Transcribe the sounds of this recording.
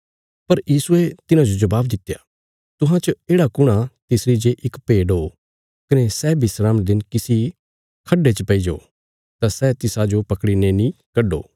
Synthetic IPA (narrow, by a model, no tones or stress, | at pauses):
pɐɾjiːsuet̪ɪnãd͡ʒod͡ʒɐbaːbd̪ɪt̪ːeja̰ | t̪ʊɦãt͡ʃɐeːɽakʊɽ̃at̪ɪsɾid͡ʒeʔɪkpeːɖɦoː | kɐnesɛːbʱisɾaːmd̪ɪnkɪsi | kʰɐɖːet͡ʃəpɐid͡ʒo̰ː | t̪asɛːt̪ɪsad͡ʒopɐkɽinenĩkɐɖo̰ː